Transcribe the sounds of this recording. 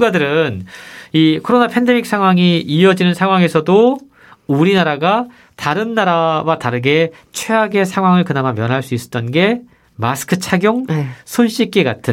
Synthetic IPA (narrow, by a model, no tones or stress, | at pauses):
ɡadɯɾɯnikʰoɾonapʰe̞nde̞mik̚s͈ʰaŋwaŋiiʌd͡ʑinɯnsʰaŋwaŋe̞sʰʌdo | uɾinaɾaɡa | taɾɯnːaɾawataɾɯɡe̞ | t͡ɕʰweaɡe̞sʰaŋɦwaŋɯɭkɯnamamjʌnɦaɭs͈uis͈ʌ̥t͈ʌnɡe̞ | masʰɯ̥kʰɯt͡ɕʰaɡjoŋsʰonɕ͈ik̚k͈e̞ɡa̰tʰɯ